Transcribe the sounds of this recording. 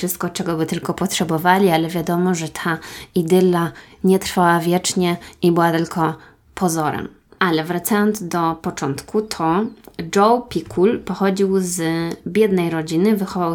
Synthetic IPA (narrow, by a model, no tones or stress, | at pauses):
ʂɘst̪̚kɔt͡ʂɛɡɔbɘt̪ɘlkɔpɔtʂɛbɔvalʲialɛvʲjad̪ɔmɔʐɛt̪ʰaid̪ɘlːa | ɲɛt̪ɾfawavʲjɛt͡ʂɲɛʔibɘwat̪ɘlkʰɔ | pʰɔzɔɾɛ̰m | ʔalɛvɾat̪sajɔnd̪zd̪ɔpɔt͡ʂɔnt̪kʰut̪ʰɔd͡ʐɔwpʲikʰulpɔxɔd͡ʑiwzbʲjɛd̪nɛjɾɔd͡ʑinɘvɘxɔva